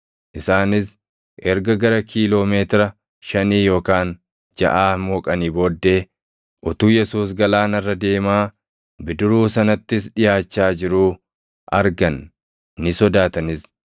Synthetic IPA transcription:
ʔɪsaːnɪs | ʔɛɾɡɐɡɐɾɐkʰiːlo̞ːmeːt̪ɪɾɐ | ʃɐniːjo̞ːkaːn | d͡ʒɐ̰ʔaːmoːkʼɐniːbo̞ːd̪ːe̞ː | ʔʊt̪uːjɛsuːs̬ɡɐlaːnɐrːɐd̪e̞ːmaː | bɪd̪ʊɾuːsɐnɐt̪ːɪsᶑɪjaːt͡ʃːaːd͡ʒɪɾuː | ʔɐɾɡɐnː | ɪsɔd̪aːt̪ɐnɪs

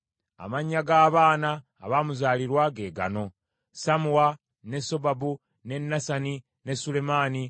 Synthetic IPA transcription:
a̰maɲːaɡaːβaːna̰ː | βamuzaːliɾwaɡe̞ːɡa̰no̞ | samuwa | ne̞so̞babu | ne̞nːasani | ne̞sule̞maːni

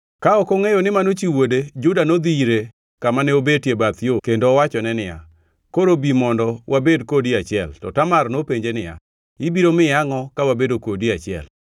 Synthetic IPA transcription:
kaɔkɔŋejonɪmanot͡ʃiwoded͡ʒʊdanod̪iɾe | kamanɛobetjebat̪jokendowat͡ʃɔnɛnɪja̰ | koɾobimɔndɔwʔabedkodiat͡ʃɪɛltɔ̰tamarnopeɲd͡ʒenɪja̰ | ɪbiɾomɪjaŋɔkawabedokodiat͡ʃɪɛ̰l

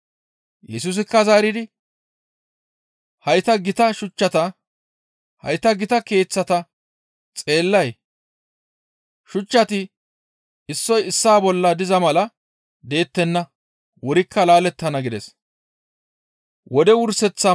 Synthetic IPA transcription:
jɛsus̬ɪkːɐzaːɾɪd̪ɪ | hɐjt̪ɐɡɪt̪ɐʃʊt͡ʃːɐt̪ɐ | hɐ̰jt̪ɐɡɪt̪ɐke̞ːt͡sːɐt̪ɐ | t͡sʼe̞ːlːɐj | ʃʊt͡ʃːɐt̪ɪ | ɪsːɔjɪsːaːbɔlːɐd̪ɪzɐmɐlɐ | d̪e̞ːt̪ːɛnːɐ | wɔɾɪkʰːɐlaːlɛt̪ːɐnɐɡɪd̪ɛs | wɔd̪ɛwʊɾsɛt͡sːɐ

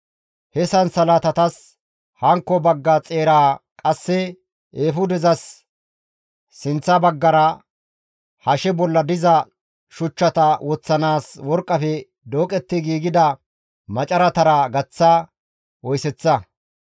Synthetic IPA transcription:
hɛsɐnsɐlat̪ɐt̪ɐs | hɐŋkːɔbɐɡːɐt͡sʼeːɾaːkʼɐsːɛ | ʔeːfʊd̪ɛzɐs | ɪnt͡sːɐbɐɡːɐɾɐ | hɐʃɛbɔlːɐd̪ɪzɐ | ʃʊt͡ʃːɐt̪ɐwɔt͡sːɐnaːswɔɾkʼːɐfɛ | d̪oːkʼɛt̪ːɪɡiːɡɪd̪ɐ | mɐt͡ʃʼɐɾɐt̪ɐɾɐɡɐt͡sːa | wɔjsɛt͡sːɐ

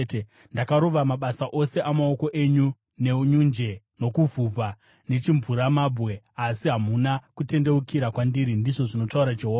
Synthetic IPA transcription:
ndakaɾoʋamaɓasaʔo̞se̞ʔamao̞ko̞ʔeɲu | ne̞uɲund͡ʒe̞ | no̞kuvʱub͡vʱa | ne̞t͡ʃiɱvuɾamaːbwe̞ | asiɦamunakute̞nde̞ukiɾakwandiɾindiʐo̞ʐino̞tauɾad͡ʒeɦo

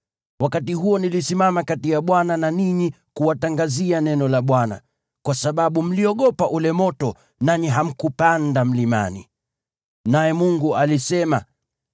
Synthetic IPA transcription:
wakatiɦuɔnilisimamakatijaɓwanananiɲi | kuwataŋɡazianɛnɔlaɓwana̰ | kwasaɓaɓum̩liɔɠɔpaʔulɛmɔtɔ | naɲiɦam̩kupandam̩lima̰nḭ | najɛmuŋɡualisɛma̰

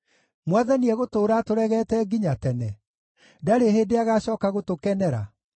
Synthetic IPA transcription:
mwaðaniɛɣotoːɾatoɾɛɣɛːtɛɡiɲatɛnɛ | daɾeɦeːdeaɣaɕɔːkaɣotokɛnɛɾa̰

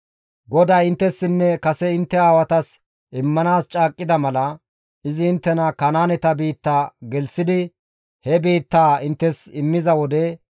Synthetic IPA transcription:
ɡɔd̪ajɪnt̪ːɛsːɪnːɛkɐsɛɪnt̪ːɛaːwɐt̪ɐs | ʔɪmːɐnaːst͡ʃʼaːkʼːɪd̪ɐmɐlɐ | ɪzɪːnt̪ːɛnɐkɐnaːnɛt̪ɐbiːt̪ːaːɡɛlsɪd̪ɪ | hɛbiːt̪ːaːɪnt̪ːɛsɪmːɪzɐwɔd̪ɛ

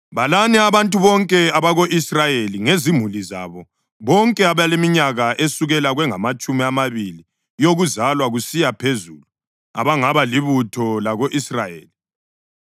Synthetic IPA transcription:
βalaniaβantʼuβɔŋkʼɛaβaɣoʔisrajeliŋezimuliza̰βɔ | βɔŋkʼɛaβajalemiɲaɣaʔesuɣɛlaɣwɛŋamat͡ʃʼumiamaβili | joɣuzalwaɣusijapʰezuːlu | a̰βaŋaβaliβutʰɔlaɣoʔisrajḛːli

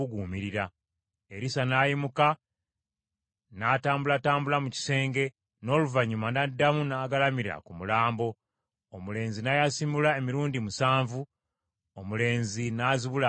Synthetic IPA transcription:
uɡuːmiɾiɾa | e̞ɾisanaːjimuka | nataːmbulataːmbulamuci̥se̞ːŋɡe̞ | no̞ːluvaɲumanadːamunaːɡalamiɾa̰kumulaːmbo̞ː | mule̞ːnzinajasimulae̞miɾuːndimusaːɱvu | omule̞ːnzinaziβula

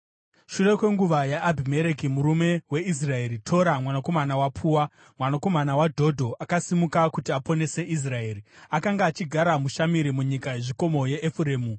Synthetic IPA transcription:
ʃuʋe̞kwe̞ŋɡuʋajaʔːbʱime̞ɾe̞kimuɾume̞we̞is̬rae̞ɾitʰo̞ɾamwanako̞manawapʰuːwa | mwanako̞manawadʱo̞dʱo̞ʔakasimukakutiapo̞ne̞se̞ʔis̬rae̞ːɾiakaŋɡaːt͡ʃiɡʱaɾamuʃamiɾimuɲikajeʐiko̞mo̞je̞ʔːfureːmu

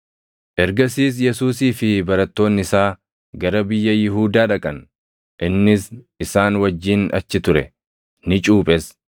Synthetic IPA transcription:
ʔɛɾɡɐsiːs̬jɛsuːsiːfɪbɐɾɐt̪ːo̞ːnːɪsaː | ɡɐɾɐbɪjːɐjɪɦuːd̪aːᶑɐkʼɐn | ʔɪnːɪs | ɪsaːnwɐd͡ʒːiːnɐ̰t͡ʃːɪt̪ʊɾɛ | nɪt͡ʃʼuːpʼɛs

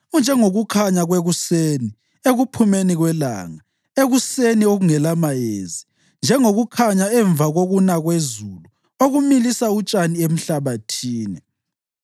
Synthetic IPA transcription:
und͡ʒʱɛŋoɣukʰaɲaɣweɣuseni | eɣupʰumeniɣwɛla̰ːŋa | eɣusenioɣuŋɛlamajḛzi | nd͡ʒʱɛŋoɣukʰaɲaɛɱb̪vʱaɣoɣunaɣwezulu | oɣumilisaut͡ʃʼaniem̩ɬaβatʰiːnɛ

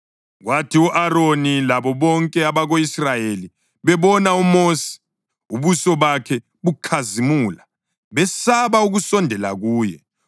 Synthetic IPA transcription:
ɣwatʰiuʔaɾonilaβɔβɔŋkʼɛaβaɣoisrajeli | βɛβɔnaumoːsi̥ | uβusɔβakʰɛ | βukʰazimuːla | βɛsaβauɣusɔndʱɛla̰ɣuːjɛ̰

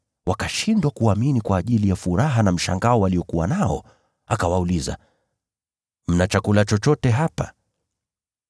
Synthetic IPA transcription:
wakaʃindwakuaminikwaːʄilijafuɾaɦanam̩ʃa̰ŋɡaɔwaliɔkuwanaɔ̰ | akawauliza̰ | m̩nat͡ʃakulat͡ʃɔt͡ʃɔtɛɦapa̰

